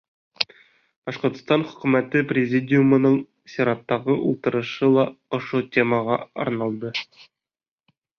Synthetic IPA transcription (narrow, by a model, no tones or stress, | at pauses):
b̥ɑʃqŏɾt̪st̪ɑnχɵ̥̆kʉmæt̪ɘprʲɪzʲidʲɪjumŏnɤɴ | sʲɪɾɑt̪ːɑʁɤʔulˠt̪ɤ̆ɾɤ̆ʃɤlˠɑŏʃot̪ʲeməʁɑɒ̰ɾnɑlˠd̪ɤ